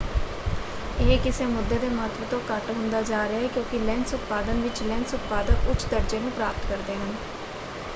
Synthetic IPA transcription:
eɦkɪseːmʊd̪ːeːd̪eːmaːt̪ʋət̪õːkəʈɦʊ̃ːnd̪aːd͡ʒaːɾəaːɦɛːkjõːkɪlɛnsʊt̪̚paːd̪ənʋɪt͡ʃlɛnsʊt̪̚paːd̪ənʊt͡ʃʰd̪əɾd͡ʒeːnũːpɾaːpət̪kəɾd̪eːɦən

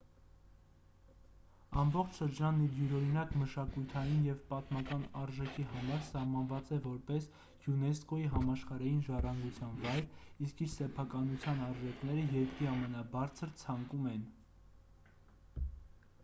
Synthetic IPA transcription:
ɑmbɔχt͡ʃʰʃəɾd͡ʒɑnːid̪juɾɔɾinɑkməʃɑkujt̪ʰɑjinjɛvpɑt̪mɑkɑnɑɾʒɛkʰihɑmɑɾsɑhmɑnvɑt͡sɛvɔɾpɛs | junɛskɔiɦɑmɑʃχɑɾɑjinʒɑrɑŋɡut͡sʰjɑnvɑjɾiskiɾsɛpʰɑkɑnut͡sʰjɑnɑɾʒɛkʰnɛɾəjɛɾkɾiɑmɛnɑbɑɾt͡sʰəɾt͡sʰɑŋkumɛn

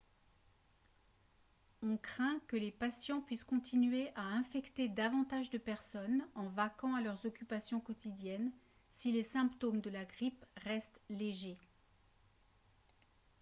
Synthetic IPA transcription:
ɔ̃kχɛ̃kəlepasjɑ̃pɥiskɔ̃t̪ʰinɥeʔaɛ̃fɛkt̪ed̪avɑ̃t̪aʒd̪əpɛʁsɔnɑ̃vakɑ̃alœʁzɔkʲypasjɔ̃kɔt̪id̪jɛn | silesɛ̃pt̪omd̪əlaɡʁipʁɛst̪leʒe

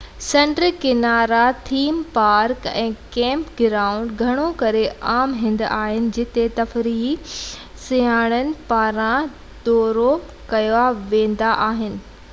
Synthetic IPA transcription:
sẽːɳʈɾəkɪnaːɾat̪ʰiːmpaːɾkɛ̃ːkɛ̃ːmpɡɪɾaːʊ̃ɳɖɡʱɐɽ̃okɐɾeaːmɦɪ̃nd̪aːɦɪnɪ̆d͡ʑɪt̪et̪ɐfɾiːɦi | sijaːɽ̃ənɪ̆paːɾã | d̪ɔːɾo | kɐjoaʋẽːn̆d̪aʔaːɦɪnɪ̆

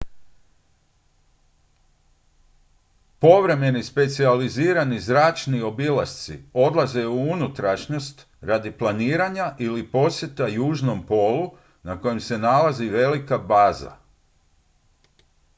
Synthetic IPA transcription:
po̞ʋɾe̞me̞nispe̞t̪sializiːɾanizɾaːt͡ʃnio̞bilast̪sḭo̞d̪lˠaze̞uunut̪ɾaʃɲo̞st̪ | ɾad̪iplˠaniːɾaɲaʔilipo̞sje̞t̪ajuːʒno̞mpo̞ːlu | nako̞jemse̞nalaziʋe̞likabaːza̰

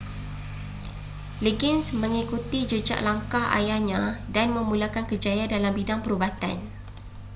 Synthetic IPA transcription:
leɡinsmə̃ŋikut̪id͡ʒəd͡ʒa̰ʔlaŋkaha̰jahɲãdanmə̃mũlakankəd͡ʒajadalambidaŋpəɾubat̪a̰n

